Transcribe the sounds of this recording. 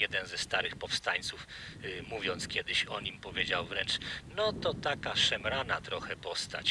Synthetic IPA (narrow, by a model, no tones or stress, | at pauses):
jɛd̪ɛnzɛst̪aɾɘxpɔfst̪aɲt̪sufmuvʲjɔnt̪skʲjɛd̪ɘɕɔɲimpɔvʲjed͡ʑawvɾɛnt͡ʂnɔt̪ɔt̪akaʂɛmɾanat̪ɾɔxɛpɔst̪a̰t͡ɕ